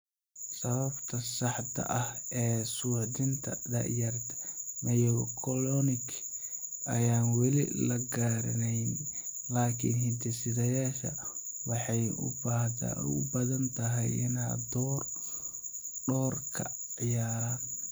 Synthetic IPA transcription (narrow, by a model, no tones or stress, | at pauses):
sɐβɐbt̪ʰɐsɑħt̪ʰɐ̰ʔɐhɛːsuħd̪ɪnt̪ʰɐ̰d̪ɐ̰jɐrt̪ʰɐ̥mɐjɔwkʰɔlɔnɪk | ʔɐjaːnwɛlɪ̰lɐɡaːɾɐnɛjn | laːkʰɪ̰nhɪd̪ɛsɪðɐjaːʃɐ̰ | wɑħɑjʊ̰b̰ʊ̰bɐðɐnt̪ʰɐɦɛjɪ̰na̰ːd̪ɔːr | ɖɔːrkʰɐ̰ | ʕɪjaːɾan